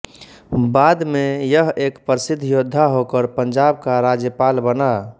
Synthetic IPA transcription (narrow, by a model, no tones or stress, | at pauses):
bad̪mejəɦekpəɾisid̪ʱːjod̪ʱːaɦokəɾpəɲd͡ʒab̚kaɾad͡ʒjəpalbəna